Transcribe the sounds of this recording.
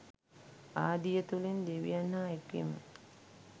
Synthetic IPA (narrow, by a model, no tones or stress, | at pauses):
aːd̪ijət̪ulind̪eʋḭjanhaːekːḭmə